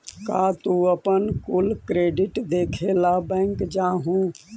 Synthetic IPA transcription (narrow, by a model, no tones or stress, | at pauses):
kaːt̪uəpənkulkɾeːɖɪʈd̪eːkʰelabɛ̃ːŋkd͡ʒaːɦũ